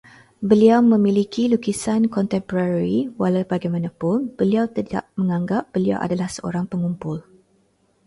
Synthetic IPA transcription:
bəliawmə̃mĩlikilukisankɔnt̪ɛmpoɾaɾiwalawbaɡajmãnãpʊnb̥əliawt̪əda̰p̚mə̃ŋãŋɡap̚b̥əlia̰wʔa̰dalahsəʔo̰ɾaŋpəŋumpʊl

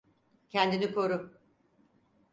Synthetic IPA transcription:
cʰɛnd̪inikʰo̞ɾu

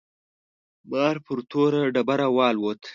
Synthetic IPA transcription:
bɑːɾpəɾt̪ʰoɾaɖabaɾawɑːlwot̪

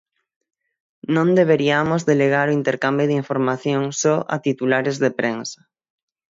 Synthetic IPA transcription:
nõnd̪eβeɾiamozðeleɣaɾoint̪eɾkambjoðiɱfoɾmaθjoŋsɔʔa̰t̪it̪ulaɾezðepɾensɐ̥

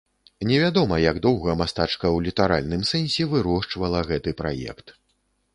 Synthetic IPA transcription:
nʲɛvʲad̪ɔmɐjaɡd̪ɔwɣɐmast̪at͡ʂkɐwlʲit̪aɾalʲnɨmsɛnʲsʲɛvɨɾɔʂt͡ʂvɐlˠɐɣɛt̪ɨpɾa̰jɛ̰kt̪

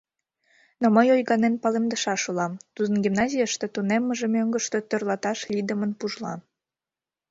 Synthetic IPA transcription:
noməjojɣɑnenpɑlemd̪əʃɑʃulɑmt̪ud̪ə̆nɡʲimnɑzʲijəʃt̪et̪unemːəʒĕmøŋɡəʃt̪ø̽t̪ørlɑt̪ɑʃlʲid̪əmənpuʒlɑ̰m

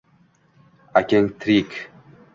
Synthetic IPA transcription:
akʲɛŋt̪ʰɾik

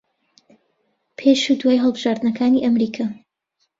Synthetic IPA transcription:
pʰeʃud̪waːjɦəlˠbɨʒ̥aːɾd̪nɐkʰaːniːʔɐmɾiːkʰa

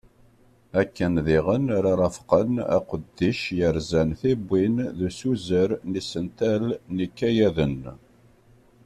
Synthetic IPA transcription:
ækːənðiʁənɾɑɾˤɑfqənæ̰qəd̪ːiʃjəɾzænθibːinðusuzəɾnisənt̪ælnikːæjæðən

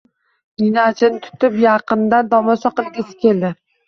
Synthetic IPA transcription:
ninat͡ʃɪnɪt̪ʰʊ̥t̪ɪpjɑqɨnd̪and̪ɒmɒsɒqɨlˠɡʲɪsɪ̥kʲʰe̞ld̪ɪ

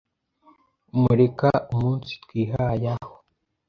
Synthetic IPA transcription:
muɾekaumuːnsi̥twiːɦajaho̥

